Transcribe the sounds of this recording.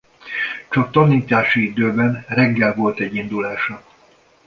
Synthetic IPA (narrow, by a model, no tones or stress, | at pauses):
t͡ʃɒk̚t̪ɒniːt̪aːʃiid̪øːbɛnrɛɡːɛlvo̞lt̪ɛɟːind̪ulaːʃɒ